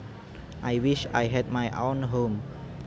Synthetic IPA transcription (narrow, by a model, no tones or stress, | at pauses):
ʔajwiʃa̰jɦɛd̚majʔõnɦõm